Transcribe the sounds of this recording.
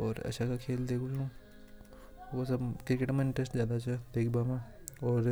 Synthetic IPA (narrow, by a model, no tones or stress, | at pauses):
ɔːɾɐ̰ʃakakʰeːld̪eːkʰũt͡ʃũ | ʋosɐbkɾɪkeʈmãɪ̃ɳʈɾəsʈzjaːd̪at͡ʃʰad̪eːkʰbaːmãɔːɾ